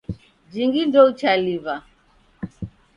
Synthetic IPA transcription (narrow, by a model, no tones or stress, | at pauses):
d͡ʒiŋɡindɔut͡ʃaliva